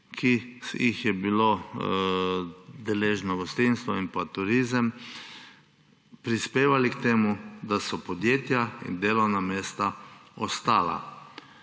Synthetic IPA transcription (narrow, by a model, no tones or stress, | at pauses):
kʰijixjɛbilo | d̪ɛleːʒnɔɡɔst̪inst̪ʋɔinpat̪uɾizəm | pɾispeːʋalikt̪eːmud̪asɔpɔd̪jeːt̪jaḭnd̪eːlɔwnameːst̪aɔst̪aːla̰